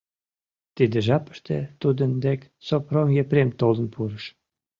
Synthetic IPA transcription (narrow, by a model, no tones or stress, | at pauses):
t̪id̪ĕʒɑpə̥ʃt̪ḛt̪ud̪ə̆nd̪ek | sopromjepɾemt̪olə̆npʰuɾəʃ